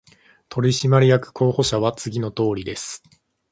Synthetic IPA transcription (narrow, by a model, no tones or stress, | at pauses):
t̪ʰo̞ɾʲiɕimaɾʲijakɯ̟̥kʰo̞ːho̞ɕaβ̞at͡sɨɡʲino̞t̪o̞ːɾʲid̪e̞sɨ̥